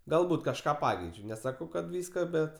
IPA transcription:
ɡɐlˠˈbuːt kɐʃˈkɑː ˈpɑːkʲɛɪt͡ʃʲʊ nʲɛˈsɑːkɐʊ kɐt ˈʋʲiːskɐ ˈbʲɛt

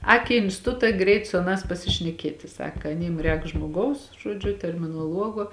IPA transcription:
ˈɑːk iː ɪnʲsʲtʲɪˈtʊtɐ ˈɡrʲɛɪt sʊ ɐˈnɑːs pɐsʲɪʃʲnʲɛˈkʲiɛtʲɪ ˈsɑːkɐ ɐˈnʲiːm ˈrʲɛːk ʒmoːˈɡɐʊs ˈʒuɔd͡ʒʲʊ tʲɛrʲmʲɪnoːˈlˠuɔɡoː

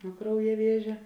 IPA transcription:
nuɔ ˈkrɐʊjɛ ˈʋʲiɛʒʲɛ

